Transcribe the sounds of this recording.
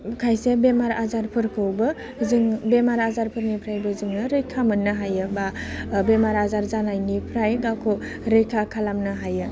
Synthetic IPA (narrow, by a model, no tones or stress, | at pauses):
kʰajsebemaɾazaɾpʰɯɾkʰɯwbɯ | zɯŋbemaɾazaɾpʰɯɾnipʰɾajbɯzɯŋnɯɾɯjkʰamɯnːɯɦajɯbabemaɾazaɾzanajnipʰɾajɡawkʰo | ɾɯjkʰakʰalamnɯɦajɯ